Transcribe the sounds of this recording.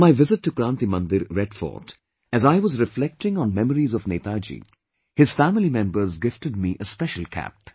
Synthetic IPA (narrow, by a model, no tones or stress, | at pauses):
maɪʋɪzɪʈːukɾãːnt̪imʌ̃nd̪ɪɾːɛɖfɔ̰ːt | æzaɪʋɔzɾɪflɛk̚ʈɪ̃ŋɔ̃nmɛməɾizɔvneːt̪ad͡ʒḭ | hɪz̥fæmɪlimɛ̃mbəɾzɡɪftʈɨd̚miʔəspɛʃəl̩kʰæ̰p̚